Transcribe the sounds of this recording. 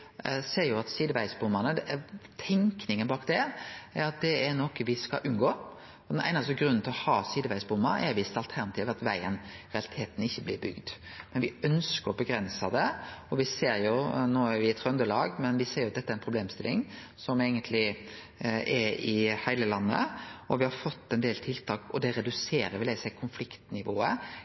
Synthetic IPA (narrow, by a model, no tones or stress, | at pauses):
seːɾjʊɑt̪siːd̪əʋæɪsbʊmːənəd̪t̪ʰɛŋknɪŋənbɑːk̪d̪ɛæɾɑt̪̚d̪ɛæɾnɔkʋɪskɑ̰ʔʉnɡoː | ɔd̪ɛnæ̰ɪnɑsɡɾʉnːn̩t̪ɪlɔhɑːsiːd̪əʋæɪsbʊmːɑɾɛ̰ɾʋɪst̪ɑlt̪ʰæɾnɑt̪iːʋɑt̪ʋæɪənɾɛɑlɪt̪ʰeːt̪nɪçːəblɪɾbʏ̰ɡd̪mɛnʋɪœnskəɾɔbəɡɾɛnsɑd̪ɛɔʋɪseːɾjʊnoːæɾʋɪt̪ʰɾœnd̪əlɑ̰ːɡmɛnʋɪseːɾjʊɑt̪d̪ɛt̪ːæɾɛnpʰɾʊb̪eːmst̪ɪlːɪŋ | sɔmæɪɡənt̪ʰlɪ | ʔɛɪhæɪləlɑnːə̰ɔʋɪhɑɾfɔt̪ːɛnd̪eːlt̪ʰɪlt̪ʰɑːkɔd̪ɛɾɛd̪ʉseːɾəɾʋɪlæɪsæɪkʰʊnflɪkt̪nɪʋoːə